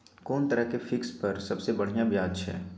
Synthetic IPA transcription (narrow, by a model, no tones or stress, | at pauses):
koːnt̪ɐɾəɦkefɪkspɐɾsɐbsebɐɽ̤ijãbjaːd͡ʒʃʰɛ̰ː